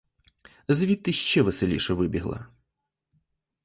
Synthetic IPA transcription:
zʋʲit̪ːɨʃt͡ʃɛʋɛselʲḭʃɛʋɪbʲiɦlˠɐ̰

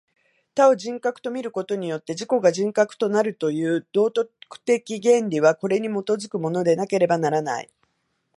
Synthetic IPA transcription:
t̪ao̞ʑĩŋkakɯ̟̥t̪o̞mʲiɾɯ̟ko̞t̪o̞ɲ̟ijo̞t̪ːe̞ʑiko̞ɡaʑĩŋkakɯ̟̥t̪o̞naɾɯ̟t̪o̞jɯ̟ːd̪̥o̞ːt̪okɯ̟̥t̪e̞kʲiɡẽ̞nɾʲiβako̞ɾe̞ɲ̟imo̞t̪o̞zɨkɯ̟mo̞no̞d̪e̞nake̞ɾe̞banaɾana̰ḭ

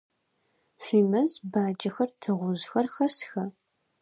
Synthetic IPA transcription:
fiːmɐzbaːd͡ʒʼɐxɐrtʰɨʁʷʊzxɐrxɐsxɐ

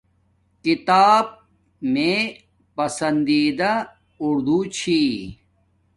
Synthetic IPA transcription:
kit̪aːb̚ | mẽ | pɐsɐnd̪iːd̪a | uɾd̪ut͡ɕʰi

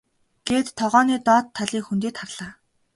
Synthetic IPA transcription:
ɡ̥eːt̪ʰːɔʁɔːniːt̪ɔːt̪ʰːaɮiːkxunt̪eːt̪χarɮaː

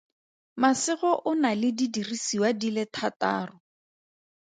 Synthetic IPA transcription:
masɪχɔʔʊnalɪdidirisiwadilɪtʰata̰ːrʊ

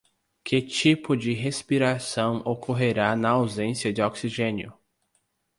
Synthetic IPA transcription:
kʰɪt͡ʃipʊd͡ʒɪɦespiɾasɐ̃w̃okʰoɦeɾanɐawzẽsjɐd͡ʒɪɔksiʒẽnjʊ

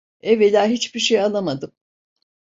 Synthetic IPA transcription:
evelʲaːɦit͡ʃbiɾʃejalˠamad̪ɯm

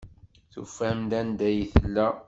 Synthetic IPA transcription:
θṵfæmd̪ænd̪æjiθəlːæ

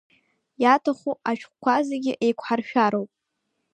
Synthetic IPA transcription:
jatʰaχuaʃᶣχʷkʷazaɡʲɪʔejkʷʰħarʃᶣaɾowpʼ

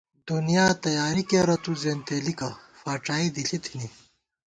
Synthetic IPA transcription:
d̪unijaːt̪ɐjaːɾikeːɾɐt̪uzeːnt̪eːlikɐfaːʈaːid̪iɬit̪ʰini

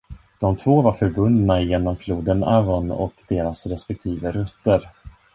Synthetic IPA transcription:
d̪̥ɔmt̪ʰvoːvaɾfœɾbɵnːnajeːnɔmfluːd̪əna̰vɔnɔ̰kd̪eːɾasɾɛspɛk̚t̪ʰiːvəɾɵt̪ːəɾ

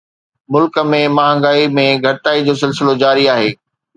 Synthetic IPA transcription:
mʊlkə̆mẽmaːɦə̃ŋɡaːimẽɡʱɐʈaːid͡ʑoːs̬ɪls̬ɪlod͡ʑaːɾiaːɦeː

